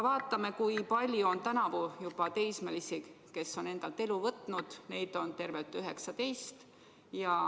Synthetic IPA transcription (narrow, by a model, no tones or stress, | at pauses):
vɑːt̪ːˑɑme̞kujpɑlʲjuo̞nt̪ænɑvujub̥ɑt̪e̞jsmelisiɡ̥ | ke̞sːo̞ne̞nd̪̥ɑlt̪e̞luvɤt̪ːˑnud̪̥ne̞jd̪̥o̞nt̪e̞rvet̪ːyɦe̞ksɑt̪e̞jst̪ | jɑ